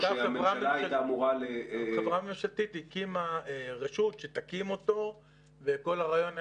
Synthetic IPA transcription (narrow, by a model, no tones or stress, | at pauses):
ɡ̥aamʁaamaajetamuʁaleavʁamoʃat̪it̪ikimaeʁeʃut̪ʃet̪akimo̞t̪o̞ | veko̞laʁajo̞na